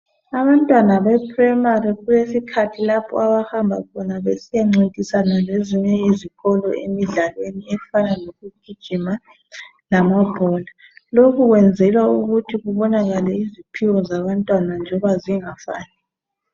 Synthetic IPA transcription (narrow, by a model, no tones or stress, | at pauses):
aβantʼwanaβɛpʰrɛmariɣujesikʰatʰilapʰɔ̰aβahambʱa̰kʰɔnaβesijaŋ͡ǀitʼisanaleziɲɛjeziɣɔlɔ̰ḛmiɮalweniɛfanaloɣuɡ̥ʱid̥ʒ̥ʱima | lamab̥ʱɔla | lokʰuɣwɛnd͡zʱɛlwauɣutʰiɣuβɔnaɣalɛizipʰiwɔzaβantʼwanand͡ʒʱɔβaziŋafa̰ːni